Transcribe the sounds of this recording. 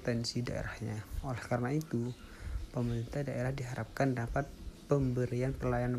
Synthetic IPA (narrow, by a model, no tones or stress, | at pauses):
t̪ɛnsida̰ḛɾahɲaolɛhkaɾnait̪upəməɾint̪adaʔeɾahdiɦaɾʔap̚kandapat̪̚pəmbəɾianpərlajana